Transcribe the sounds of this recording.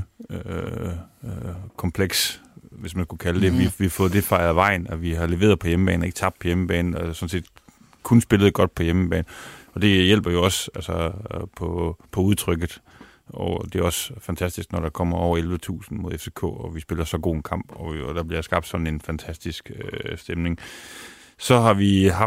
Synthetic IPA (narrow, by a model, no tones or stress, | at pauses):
ø | kʰɒ̽mpʰleɡ̥sʋe̝smænskukʰæləd̥e̝ʋiʋihɑfɔ̽ːð̩ˠd̥e̝fɑ̈ɪðˠʋɑ̈ɪ̰n̩ɒʋiɦɑ̈leʋe̝ːð̩ˠpʰɒ̽jeməb̥ɛ̰ːne̝ɡ̥t͡sʰɑ̈b̥̚d̥̚pʰɒ̽jeməb̥ɛːnn̩ɒsɒ̽n̩se̝̰ːd̥ | kʰunsb̥e̝ləð̩ˠɡ̥ɒ̽d̥̚pʰɒ̽jeməb̥ɛ̰ːn̩ɒ̽d̥e̝jel̰b̥ɐjo̝ɒ̽sælsɐpʰɒpʰɒ̽uð̞ˠt͡sʰʁœɡ̥ð̩ˠ | ɒd̥e̝æɒ̽sfænt͡sʰæsd̥isɡ̥nɒɾ̥ɑ̈kʰɒm̰ɐɒʊ̰ɐelʋət͡sʰṵːsn̩mo̝ð̞ˠefse̝kʰɔ̰ːɒʋisb̥e̝lɐsɒ̽ɡ̥o̝ːenkʰɑ̈m̰b̥ɒd̥ɑ̈b̥liɐjsɡ̥ɑ̈b̥d̥sɒ̽d̥n̩e̝nfænt͡sʰæsd̥isɡ̥øsd̥emne̝ŋ | sɒ̽ɦɑ̈ʋiɦɑ